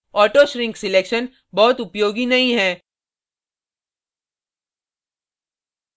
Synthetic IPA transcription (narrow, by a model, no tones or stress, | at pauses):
ɔːʈoʃɾɪ̃ŋksɪleːkʃən | bɔːʊt̪ʊpjoːɡinɐɦĩɦɛː